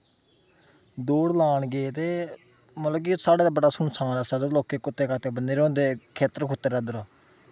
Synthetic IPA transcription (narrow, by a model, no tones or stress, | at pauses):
d̪oːɽlaːɳɡeːt̪eː | mələkisaːɽeːd̪aːbəɽaːsʊnsaːnaːsad̪oloːkeːkʊt̪ːeːkat̪eːbəneːɾõːnd̪eːkʰeːt̪əɾkʰʊt̪ːeːɾaːd̪ʊɾaː